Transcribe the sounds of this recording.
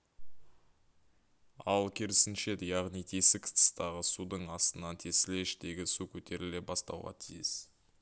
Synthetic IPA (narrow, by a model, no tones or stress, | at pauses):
ɑlˠkʲʰeɾɪsɪnʃe̞d̪ɪjɑʁnijt̪ʰe̞sɪkʲʰə̥t̪ʰə̥st̪ɑʁəsud̪əɴɑst̪ənɑnt̪ʰe̞sɪleɪʃt̪e̞ɡʲɪsukʲʰɵt̪ʰe̞ɾɪlebɑst̪ɑ̰wʁɑ̰t̪ʰijɪs